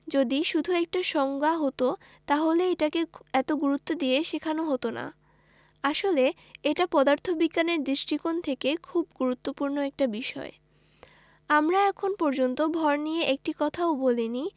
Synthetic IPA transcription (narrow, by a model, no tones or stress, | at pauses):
d͡ʑod̪iʃud̪ʱuɛk̚ʈaʃɔŋɡaɦot̪o | t̪aɦoleeʈakeɛt̪oɡuɾut̪ːod̪ijeʃekʰanoɦot̪ona̰ | aʃole | eʈapɔd̪aɾt̪ʰobikːaneɾd̪ɾiʃʈikont̪ʰekekʰubɡuɾut̪ːopuɾnoɛk̚ʈabiʃɔ̰e | amɾaɛkʰonpɔɾd͡ʑont̪obʱɔɾnijeʔek̚ʈikɔt̪ʰaobolini